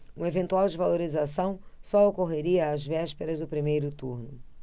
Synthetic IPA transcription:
ũevẽnt̪uawd͡ʒɪvaloɾizasɐ̃w̃sɔokoɦeɾiɐːzvɛʃpeɾɐzd̪ʊpɾimejɾʊt̪uɾnʊ

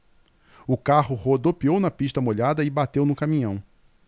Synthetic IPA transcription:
ʊkahʊhod̪opiownɐpiʃt̪ɐmoʎad̪ɐɪbat̪ewnʊkamĩɲɐ̃w̃

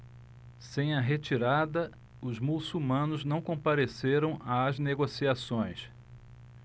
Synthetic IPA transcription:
sẽj̃ɐɦet͡ʃiɾad̪ɐ | ʊzmusuwmɐ̃nʊznɐ̃w̃kõpaɾeseɾɐ̃w̃azneɡosiasõj̃s

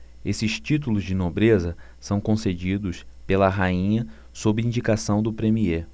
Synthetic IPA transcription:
esɪʃt͡ʃit̪̬ulʊzd͡ʒɪnobɾezɐ | sɐ̃w̃kõsed͡ʒid̪ʊspelɐɦaĩɲɐ | sobiĩnd͡ʒikasɐ̃w̃d̪ʊpɾẽmie

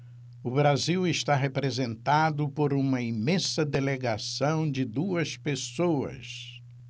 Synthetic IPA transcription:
ʊbɾaziwɪʃt̪aɦepɾezẽnt̪ad̪ʊpoɾũmɐimẽsɐd̪eleɡasɐ̃w̃d͡ʒɪd̪uɐspesoɐ̰s

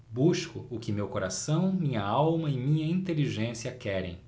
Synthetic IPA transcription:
buʃkʊʊkɪmewkoɾasɐ̃w̃mĩɲɐawmɐɪmĩɲɐĩnt̪eliʒẽsiɐkɛɾḛ̃j̃

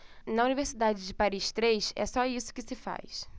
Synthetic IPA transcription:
nɐuniveɾsid̪ad͡ʒɪd͡ʒɪpaɾiʃt̪ɾejʃɛ̰sɔisʊ̥kɪsɪfa̰js

